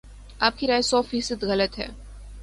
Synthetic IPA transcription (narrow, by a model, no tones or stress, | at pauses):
aːp̚kiɾaːjsɔːfiːsəd̪ɣɐlət̪ɦɛ̰ː